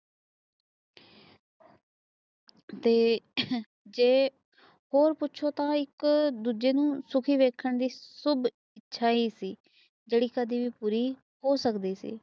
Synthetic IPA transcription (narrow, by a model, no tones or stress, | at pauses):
t̪eː | d͡ʒeː | hoːɾpʊtːʃʰoːt̪ãːɪkd̪uːd͡ʒeːnũːsʊkʰiːʋeːkʰəɳd̪iːsʊb | ɪtːʃʰaːiːsiː | d͡ʒeːɽiːkəd̪iːʋiːpuːɾiː | hoːsəkd̪iːsḭː